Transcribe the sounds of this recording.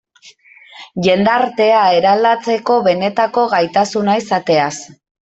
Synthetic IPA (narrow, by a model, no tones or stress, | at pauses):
ʝe̞nd̪aɾt̪e̞ae̞ɾald̪at͡se̞ko̞βe̞ne̞t̪ako̞ɣajt̪asunaisat̪e̞as